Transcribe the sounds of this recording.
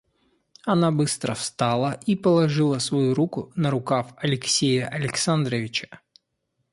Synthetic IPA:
ɐnabɨst̪ɾəfst̪alˠəʔipəlˠɐʐɨlˠəsvɐjuɾukʊnəɾʊkafɐlʲɪksʲejəʔɐlʲɪksand̪ɾəvʲɪt͡ɕə̥

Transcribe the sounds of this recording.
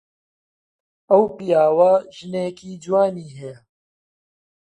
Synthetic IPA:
ɐwpijaːwɐʒineːkiːd͡ʒwaːniːɦeː

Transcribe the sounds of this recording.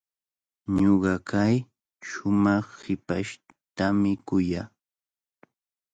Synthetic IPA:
ɲoɢɑkʰaj | ʃʊmɑχhɪpaʃ | t̪amɪkʊjaː

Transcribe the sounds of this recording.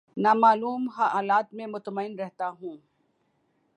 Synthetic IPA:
naːmaːluːmɦaʔaːlaːt̪mẽmʊt̪məɪnɾɛɦt̪aɦũː

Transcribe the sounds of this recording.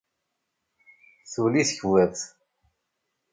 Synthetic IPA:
θuliθəçwæðθ

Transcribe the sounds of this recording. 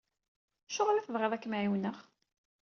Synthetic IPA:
ʃʊʁlæθəvʁeðˤækːmaʕjiwnəχ

